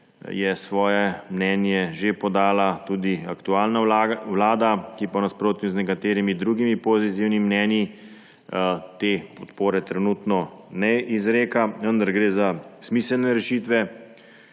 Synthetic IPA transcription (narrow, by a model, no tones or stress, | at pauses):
jɛsʋɔːjɛmnɛnjɛʒepɔd̪aːlat̪uːd̪iakt̪uaːlnaawlaːd̪akipɔnaspɾoːt̪uznɛkat̪eːɾimid̪ɾuːɡimipozit̪iwnimnɛnji | t̪epɔt̪poːɾɛt̪ɾɛnuːt̪nɔnɛizɾeːkaʋənd̪aɾɡɾeːzasmiːsəlnɛɾɛʃiːt̪ʋɛ